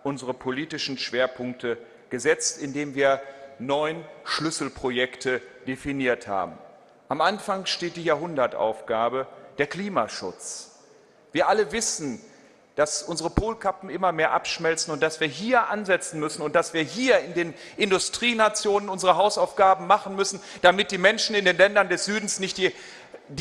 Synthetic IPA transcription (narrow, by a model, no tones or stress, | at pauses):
ʔʊnzəʁəpʰoliːtɪʃn̩ʃv̥eːɐpʰʊŋk̚tʰə | ɡ̥əzɛt͡stɪndeːmviːɐnɔʏnʃlʏsl̩pʁ̥ojɛktʰəd̥efiniːɐtha̰ːbm̩ | ʔamʔanfaŋʃteːt̚d̥iːjaːɐɦʊndɐtʔa̰ʊfɡ̥aːbəd̥eːɐkl̥iːma̰ʃʊ̰t͡s | v̥iːɐʔaləvɪsn̩ | d̥asʔʊnzəʁəpʰoːlkʰapm̩ɪmɐmeːɐʔa̰pʃmɛlt͡sn̩ʊnt̚d̥asv̥iːɐɦiːɐʔanzɛt͡sn̩mʏsn̩ʊnt̚d̥asv̥iːɐɦiːɐɪndeːn | ʔɪndʊstʁ̥iːnat͡sjoːnənʊnzəʁəɦaʊsaʊfɡ̥aːbm̩maχn̩mʏsn̩ | d̥amɪt̚d̥iːmɛnʃn̩ɪndeːnlɛndɐndɛsz̥yːdn̩snɪçt̚d̥i